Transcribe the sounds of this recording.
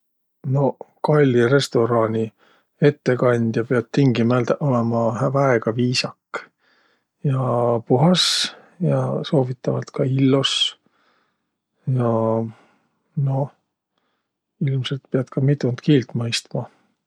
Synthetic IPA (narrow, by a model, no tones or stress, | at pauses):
no̞kɑlʲːiɾe̞st̪o̞ɾɑːnʲi | e̞t̪ːe̞kɑnʲd̪̥jɑpeɑd̪̥̚t̪iŋɡimæld̪ʔo̞lemɑhævɑeɡ̥ɑviːsɑkːˑ | jɑpuɦɑs | jɑso̞ːvit̪ːˑɑvɑt̪kɑilːos | jɑ | no̞ | ilmse̞lt̪̚peɑd̪̥kɑmit̪ˑunt̪kiːlt̪ˑmɤjst̪mɑ